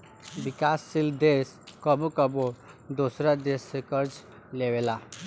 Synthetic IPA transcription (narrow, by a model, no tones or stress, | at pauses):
ʋikasːild̪es | kəbukəbo | d̪osɾad̪esːekəɾd͡ʒ | leʋela